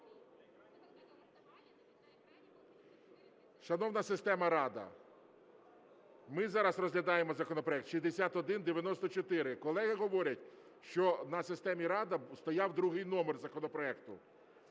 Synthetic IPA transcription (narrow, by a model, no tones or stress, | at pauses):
ʃɐnɔwnɐsɪst̪ɛmɐɾɑd̪ɐ̰ | mɪzɑɾɐsrɔzɦlʲɐd̪ɑjemɔzɐkɔnɔpɾɔɛk̚t̪ʃizʲd̪esʲat̪ɔd̪ɪnd̪eʋʲjɐnɔst̪ɔt͡ʃɔt̪ɪɾɪkɔlˠɛɦɪɦɔʋɔɾʲɐtʲ | ʃt͡ʃɔnɐsɪst̪ɛmʲiɾɑd̪ɐst̪ɔjɑwd̪ɾuɦɪjnɔmerzɐkɔnɔpɾɔɛkt̪ʊ